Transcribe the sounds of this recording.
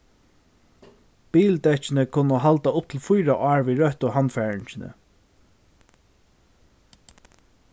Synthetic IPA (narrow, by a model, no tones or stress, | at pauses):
piːlt̪ɛt͡ʃɪnəkʰʊnəɦalt̪aʊp̚t̪ʰɪlfʊjɾaʔaːɹviːɹœht̪ʊhanfæːɹɪɲt͡ʃɪnə̰